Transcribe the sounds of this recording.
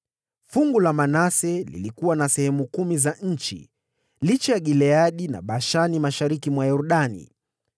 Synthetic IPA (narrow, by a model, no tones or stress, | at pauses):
fuŋɡulamanasɛlḭlikuwanasɛhɛmukumizaɲ̩t͡ʃḭ | lit͡ʃɛjaɠilɛaɗina̰ɓaʃanimaʃaɾikimwajɔɾɗanḭ